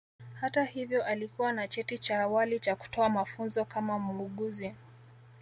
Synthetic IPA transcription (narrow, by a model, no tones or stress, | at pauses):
hatahivjɔʔalikuwanat͡ʃɛtit͡ʃaːwalit͡ʃaku̥tɔamafunzɔkamamuuɠuzi